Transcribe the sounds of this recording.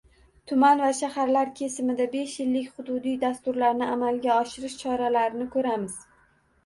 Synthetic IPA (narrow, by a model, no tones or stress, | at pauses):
t̪ʰʊmanvaʃahaɾlaɾkʲʰe̞sɪmɪd̪abe̞ʃjɪlːɪkʲχʊd̪ʊd̪ijd̪ast̪ʊɾlaɾnɪamalɡʲaɒʃɪɾɪʃt͡ʃʰɒɾalaɾɪnɪkʰɵɾamɪz̥